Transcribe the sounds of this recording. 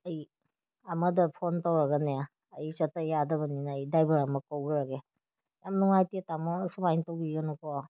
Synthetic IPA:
ɐj | ɐmɐdɐpʰontawɾaɡɐnejaː | jsɐtajadɐbɐninaːjdajbɐɾamɐkowɡɯɾaɡe | jamnuŋajtetamɔsubajntowɡiɡɐnukɔ

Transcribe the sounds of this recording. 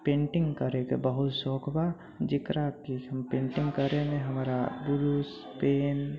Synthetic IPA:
pẽːɳʈɪ̃ŋɡkəɾekḛbəɦʊt̪soːkʰba | d͡ʒɪkɾat̪iɦəmpẽːɳʈɪ̃ŋɡkəɾemẽɦəmɾabʊɾus | peːn

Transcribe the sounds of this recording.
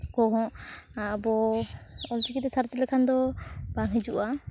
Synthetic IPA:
kɔɦɔ̃ʔabɔ | ɔltikit̪ɛsaɾt͡ʃɛlɛkʰand̪ɔbaŋɦid͡ʒuʔa

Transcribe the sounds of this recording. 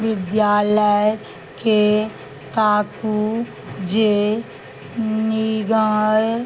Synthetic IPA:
ʋɪd̪jaːləj | ke | t̪aːku | d͡ʒe | niɡãːe

